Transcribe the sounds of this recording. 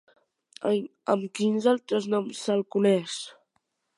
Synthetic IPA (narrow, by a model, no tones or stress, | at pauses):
əəmkinzalˠt̪ɾəznɔmsːalˠkunɛs